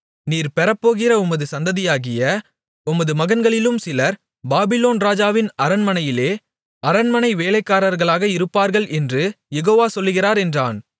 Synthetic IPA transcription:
niːɾpɛɾɐpːoːɣɪɾɐʊmɐðɯsɐnd̪ɐðɪjaːɣɪjɐ | ʊmɐðɯmɐɣɐnɡɐɭɪlɯmsɪlɐɾ | baːbɪloːnɾaːd͡ʒaːʋɪnɐɾɐnmɐnɐjɪleː | ɐɾɐnmɐnɐɪʋeːlɐɪkːaːɾɐɾɣɐɭaːɣɐɪɾɯpːaːɾɣɐɭʔɛndrɯ | jɛɣoːʋaːsɔlːɯɣɪraːɾɛndra̰ːn

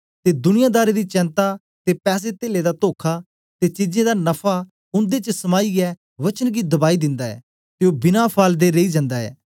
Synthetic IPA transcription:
t̪ed̪ʊnɪjad̪aːɾed̪it͡ʃɛ̃ːnt̪a | t̪epɛːs̬et̪eːled̪at̪oːkʰa | t̪et͡ʃid͡ʒẽd̪anɐpʰa | ʊ̃nd̪et͡ʃəsɐmaːiɛ | ʋɐt͡ʃənɡid̪ɐbaːid̪ɪ̃nd̪aːɛ̰ː | t̪eobɪnapʰaːld̪eɾeid͡ʒɐ̃nd̪aːɛ̰ː

